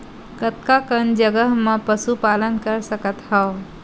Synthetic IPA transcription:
kət̪̚kakənd͡ʒəɡəɦmẽpəsupaːlənkəɾsəkət̪hɛo

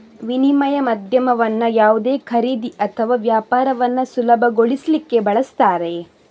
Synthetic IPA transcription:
ʋinimɐjɐmɐd̪ʱjɐmɐʋɐnːɐjaːʋud̪eːkʰɐɾiːd̪iʔɐt̪ʰɐʋaːʋjaːpaːɾɐʋɐnːɐsulɐbʱɐɡoɭislikːe̞bɐɭɐst̪aːɾe

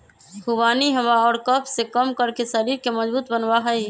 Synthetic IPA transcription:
hubaːniɦəʋaɔːɾkəpʰsekəmkəɾkesəɾiɾkeməd͡ʒbuːt̪bənʋaɦəj

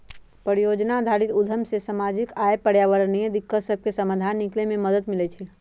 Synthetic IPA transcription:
pəɾijod͡ʒnad̪ʱaɽit̪ud̪ʱəmsesamad͡ʒikajepəɽ̤jaʋəɾnied̪ikːət̪səb̚ʱkesəmad̪ʱanːiklememəd̪ət̪milɛt͡ʃʰɛ

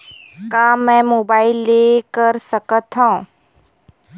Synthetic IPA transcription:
kaːmːɛ̃moːbaːɪlːeːkəɾsəkət̪ɦã

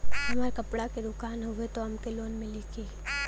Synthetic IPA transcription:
ɦɐmaːɾkɐpɽaked̪ʊkaːnɦoɡet̪oɐmkeloːnmɪlikiː

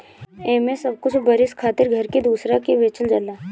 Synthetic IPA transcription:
eːmẽsɐb̚kʊt͡ʃʰbɐɾɪskʰaːt̪ɪɾɡʱɐɾked̪uːsɾakeʋeːt͡ʃəld͡ʒɐlaː

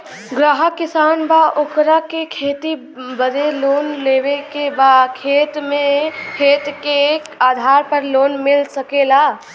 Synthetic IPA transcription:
ɡɾaɦəkːisaːnbaʔokɾakekʰet̪i | bəd̪elonlebekebakʰet̪mekʰet̪kekaːd̪ʱaɾpəɾlonmilsəkela

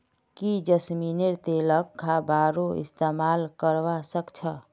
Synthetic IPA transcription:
kid͡ʒəsmineɾt̪eləkʰːabaɾoḭst̪emalkəɾʋasəkt͡ʃʰə

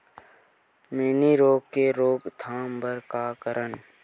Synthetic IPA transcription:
meːniɾoːɡkːeɾoːɡt̪ʰaːmbəɾkaːkəɾən

